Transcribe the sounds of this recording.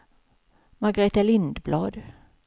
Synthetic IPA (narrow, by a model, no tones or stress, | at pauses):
maɡaɾeːt̪alɪnd̪blɑːd̪